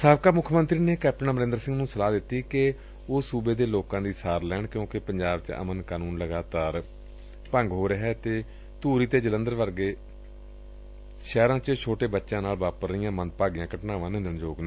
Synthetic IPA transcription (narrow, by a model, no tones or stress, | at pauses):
saːbkaːmʊkʰːmə̃nt̪ɾiːneːkɛːp̚ʈənaːməɾɪ̃nd̪ɾsɪ̃ŋɡnũːsəlaːd̪ɪt̪ːiːkɪ | oːsuːbeːd̪eːloːkãːd̪iːsaːɾlɛːɳkjõːkɪpəɲd͡ʒaːbt͡ʃə̰mənkaːnuːnləɡaːt̪aːɾ | pəŋɡɦoːɾəɦɛːt̪eː | t̪uːɾiːt̪eːd͡ʒələ̃nd̪əɾʋəɾɡeː | ʃɛːɾãːt͡ʃət͡ʃʰoːʈeːbətːʃãːnaːlʋaːpəɾɪjãːmə̃nd̪̚paːɡijãːkəʈnaːʋãːnẽːd̪ənd͡ʒoːɡnãː